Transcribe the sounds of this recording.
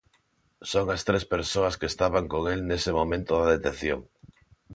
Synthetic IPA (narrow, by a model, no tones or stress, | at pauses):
soŋast̪ɾespeɾsoaskest̪aβaŋkoŋelnesemomẽnt̪oðaðet̪eθjo̰ŋ